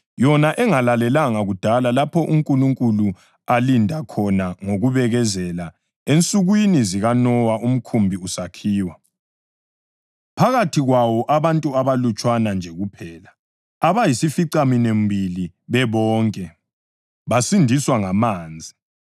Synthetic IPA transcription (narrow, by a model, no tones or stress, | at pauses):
jɔnaʔɛŋalalɛlaŋaɣud̥ʱalalapʰɔʔuŋkʼuluŋkʼulu | alindʱakʰɔnaŋoɣuβɛɣɛzɛla | ent͡sʼuɣwiniziɣanɔwaum̩kʰumbʱiusakʰiːwa | pʰaɣatʰiɣwawɔʔaβantʼuaβalut͡ʃʼwanand͡ʒʱɛɣupʰɛːla | aβajisifiǀaminembʱili | βɛβɔːŋkʼɛ | βasindʱiswaŋamaːnd͡zʱi